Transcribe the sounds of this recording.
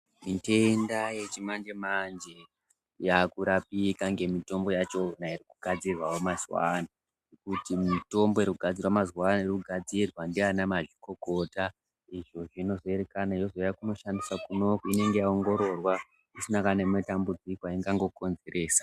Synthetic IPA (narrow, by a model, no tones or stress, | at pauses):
mite̞ndaje̞t͡ʃimand͡ʒemand͡ʒe̞ | jakuɾapikaŋɡe̞mito̞mbo̞jat͡ʃo̞nairikuɡ̥ʱad͡zirwawomazwa̰na | ekutimito̞mboiɾikuɡʱad͡zirwamazwanairikuɡʱad͡zirwandianamaʐiko̞ko̞ta | iʐo̞ʐino̞zoe̞ɾekanaijo̞zojakuno̞ʃandisakuno̞koine̞ŋɡe̞jaoŋɡo̞ɾo̞rwa | isinakanemetambud͡zikoaiŋɡaŋɡo̞ko̞nze̞ɾe̞ːsḁ